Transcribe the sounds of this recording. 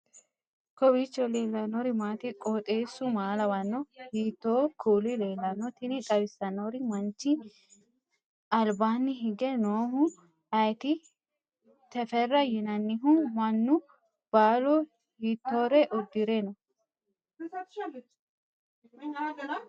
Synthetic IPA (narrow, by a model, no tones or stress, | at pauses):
kɔbit͡ʃːɔleːlːɐnɔɾɪmaːt̪ɪkʼɔːt̪ʼeːsːʊmaːlɐwɐnːɔhiːt̪ːoːkʰuːlɪleːlːɐnɔt̪ɪnɪkʼɐbɪsːɐnɔɾɪmɐnt͡ʃːɪ | ɐlbaːnːɪɦɪɡɛnoːhʊ | ɐjt̪ɪ | t̪ɛfɛrːɐjɪnɐnːɪɦʊmɐnːʊ | b̥aːlɔ | hiːt̪ːoːɾɛʔɔd̪ːɪɾenɔ